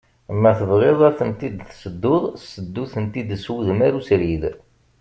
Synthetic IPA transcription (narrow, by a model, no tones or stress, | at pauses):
mːæθəvʁeðˤæθənt̪id̪θsəd̪ːʊðˤsəd̪ːuθənt̪id̪swuðmæɾusɾið